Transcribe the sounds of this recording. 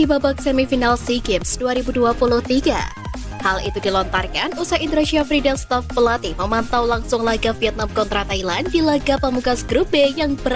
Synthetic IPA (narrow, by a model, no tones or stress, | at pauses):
dibabak̚sɛmifinalsiɡɪmsduaɾibuduapulʊht̪iɡa̰ | halʔḭt̪udilɔnt̪arkanusahint̪əɾaʃiafɾidalst̪afpəlat̪iməmant̪awlaŋsʊŋlaɡafiɛt̪̚namkɔnt̪ɾat̪ailandilaɡapəmuɡasəɡɾubejaŋbəɾ